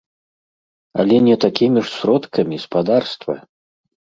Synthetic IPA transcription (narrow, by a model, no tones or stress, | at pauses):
ɐ̰lʲɛnʲɛt̪akʲimʲiʂsʲɾɔt̪kɐmʲispad̪arst̪vɐ̰